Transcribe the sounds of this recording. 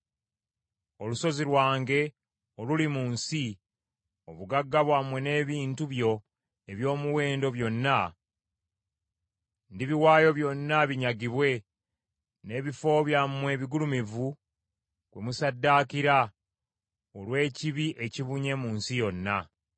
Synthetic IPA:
o̞luso̞ziɾwaːŋɡe̞ | olulimuːnsi | o̞βuɡaɡːaβwamwe̞ne̞ːβiːntuβjo̞ | eβjo̞ːmuwe̞ːndo̞βjo̞nːa | ndiβiwaːjo̞βjo̞nːaβiɲaɡiβwe̞ | ne̞ːβifo̞βjamːwe̞ːβiɡulumivu | kwe̞musadːaːkiɾa | olwe̞ːciβiʔe̞ciβuɲe̞muːnsijo̞nːa

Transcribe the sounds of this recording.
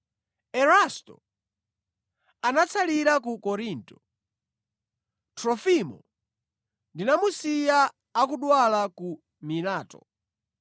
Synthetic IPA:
ɛɾastɔ̰ | anat͡sʰaliɾak̬ukɔɾintɔ | tʰɾɔfimɔ̰ | ndinamusijaː | kuɗwalaku | milaːtɔ̰

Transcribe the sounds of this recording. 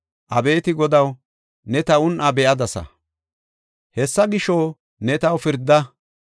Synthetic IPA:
ʔɐbe̞ːt̪ɪɡɔd̪ɐw | nɛt̪ɐʊnʔɐbɛʔɐd̪ɐsɐ̰ | hɛsːɐɡɪʃo | nɛt̪ɐwfɪɾd̪ːɐ

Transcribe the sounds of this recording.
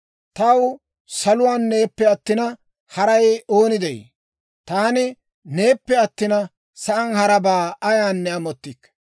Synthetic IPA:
t̪ɐw | sɐlʊwaːnːe̞ːpːɛɐt̪ːɪnɐ | hɐɾɐjoːnɪd̪ɛj | t̪aːnɪ | ne̞ːpːɛɐt̪ːɪnɐ | sɐʔɐnhɐɾɐbaːɐjaːnːɛɐmɔt̪ːɪkː

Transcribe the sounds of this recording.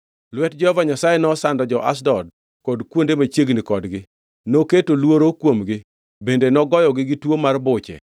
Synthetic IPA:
lwɛtd͡ʒɔhɔvaɲasajenɔsandɔd͡ʒɔʔa̰s̬dɔd̚ | kɔdkwondemat͡ʃjeɡnikɔdɡɪ | noketolwoɾokwomɡɪ | bendenɔɡɔjɔɡɪɡɪtwomarbʊt͡ʃɛ̰

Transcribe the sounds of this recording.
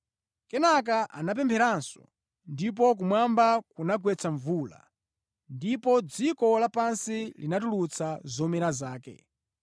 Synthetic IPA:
kɛnak̬aʔa̰nap̬ɛmpʰɛɾansɔ̰ | ndip̬ɔk̬umwambakunaɡwɛt͡sʰaɱvuːla̰ | ndipɔd͡zikɔlapansilinatulut͡sʰazɔmɛɾazaːkɛ̰

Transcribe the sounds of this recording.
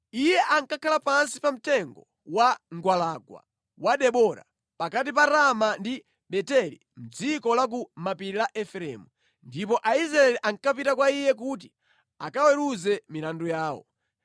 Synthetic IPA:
ijɛʔaŋkakʰalapansi̥pam̩tɛŋɡɔ | waŋɡwalaɡwa̰ | waɗɛɓɔɾa̰ | pakat̬ipaɾamandi | ɓɛtɛlḭ | m̩d͡zikɔlak̬umapiɾilaʔɛfɾɛ̰mu | ndipɔʔaizɾaɛliʔaŋkapitakwaijɛk̬ut̬i | akawɛɾuzɛmilandɔjaːwɔ̰

